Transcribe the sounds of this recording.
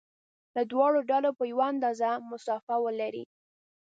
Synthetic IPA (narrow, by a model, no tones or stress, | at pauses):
lad̪wɑɽoɖalopəjawaand̪ɑzamʊsɑfawəlaɾḭ